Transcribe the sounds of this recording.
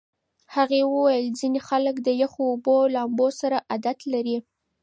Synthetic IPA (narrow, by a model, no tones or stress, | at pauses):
haɣewəwajəlzinexaləkd̪əjaxoːbolambosaɾaʔad̪at̪laɾi